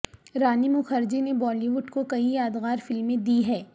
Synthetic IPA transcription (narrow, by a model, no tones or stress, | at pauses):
ɾaːnimʊxɐɾd͡ʒenebɔːliʋʊɖkokɐijaːd̪ɣaːɾfɪlmːẽd̪iːɦɛː